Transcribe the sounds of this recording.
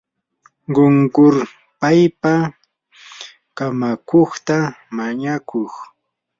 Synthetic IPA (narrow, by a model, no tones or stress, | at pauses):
ɢoŋkʊɾ | pajpa | kamakoχt̪a | maɲakʰoχ